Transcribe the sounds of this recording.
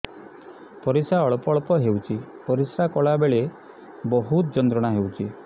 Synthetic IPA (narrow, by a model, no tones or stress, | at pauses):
pɔɾisaɔɭɔpɔɭɔpɔɦewt͡ʃʰipɔɾisakɔɭabeɭe | bɔɦut̪d͡ʒɔnt̪ɾɔɽ̃aɦewt͡ʃʰi